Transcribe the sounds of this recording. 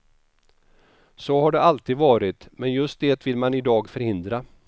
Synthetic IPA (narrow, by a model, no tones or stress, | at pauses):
soɦaɖɛalt̪iːd̪vɑːɾɪt̪mɛnjɵst̪̚d̪eːt̪vɪlmanɪd̪ɑːɡfœɾhɪnd̪ɾa